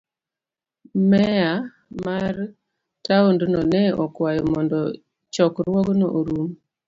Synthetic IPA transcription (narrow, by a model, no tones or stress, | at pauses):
mɛa | mar | taondnɔnɛɔkwajɔmɔndɔ | t͡ʃɔkɾwɔɡnɔ̰ʔoɾum